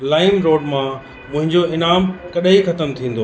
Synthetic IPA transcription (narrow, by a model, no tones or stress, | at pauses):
laːɪmɾoːɖmã | mʊ̃ɦɪ̃ɲd͡ʑoɪnaːmkɐɗixɐt̪əmt̪ʰĩːn̆d̪oː